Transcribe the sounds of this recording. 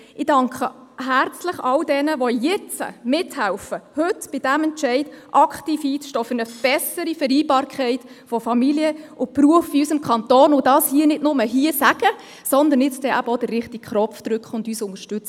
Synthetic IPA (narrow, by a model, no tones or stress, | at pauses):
ɪdɑŋkχəɦært͡sləχɑldɛnəʋɔjɛt͡sə̰mɪthæwfəhɵtb̥ɪdæmɛnt͡ʃɛɪdʔɑkχtiːfhiːt͡sʃtoːfʏɾnəb̥ɛsəɾifəɾiːbɑːɾkʰɛɪt | fɔfɑmiliəʊpɾuəfiysɪmkʰɑnt̪oːnʊdɑːshiənɪdnʊməɦiːəsæɡ̥ə | sɔnd̪ən̩jɪt͡sd̥ɛʔæbəɔdəːɪχtikχɾɔpfd̥̪ɾʉkχəʊndyːsʊŋəʃtʉt͡s